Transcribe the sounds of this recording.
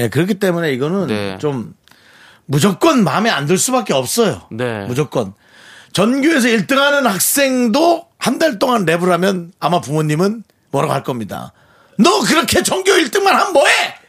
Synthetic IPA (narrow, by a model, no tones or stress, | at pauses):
nekɯɾʌkʰit͈e̞mune̞iɡʌnɯnt͡ɕomː | ud͡ʑʌk͈wʌnma̰mea̰ndɯɭs͈ubak͈e̞ʌp̚s͈ʌjo̰nemud͡ʑʌk͈ʌn | t͡ɕʌnɡjoe̞s̬ʰʌiɭt͈ɯŋɦanɯnhak̚s͈e̞ŋdohandaɭt͈oŋanɾe̞buɾamjʌnamapumoɲːimɯn | mʌɾaɡɦaɭk͈ʌmɲida̰ | nʌkɯɾʌkʰe̞t͡ɕʌŋɡjoiɭt͈ɯŋmanhanmʌe